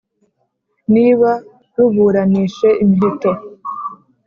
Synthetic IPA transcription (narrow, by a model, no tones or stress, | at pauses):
niːβa | ɾuβuːɾaniːʃe̞ʔimiɦito̞